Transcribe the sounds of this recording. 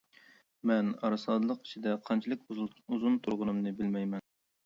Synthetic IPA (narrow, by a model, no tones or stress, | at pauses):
mɛnɑɾɨsɑːd̪ɨlˠəqi̥t͡ʃʰid̪ɛqʰɑnt͡ʃʰilˠɪkʲuzunt̪ʰuɾʁʊnɨmnɨbɪlmɛjmɛn